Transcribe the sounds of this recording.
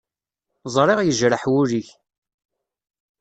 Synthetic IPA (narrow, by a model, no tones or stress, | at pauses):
zˤɾˤeʁjəʒɾəħwʊɾiç